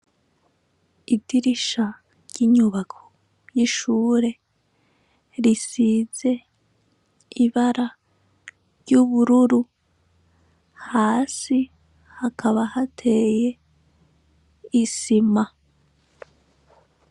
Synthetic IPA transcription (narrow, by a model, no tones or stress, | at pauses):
idiɾiʃa | ɾɟiɲuβakʰo | jiʃuːɾe̞ | ɾisize̞ | iβaɾa | ɾɟuβuɾuɾu | haːsi | hakʰaβahatʰe̞je̞ | isima